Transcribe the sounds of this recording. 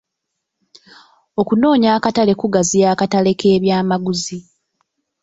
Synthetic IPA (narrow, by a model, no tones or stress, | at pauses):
o̞kuno̞ːɲaːkatale̞kuɡazijaːkatale̞ke̞ːβjaːmaɡuzi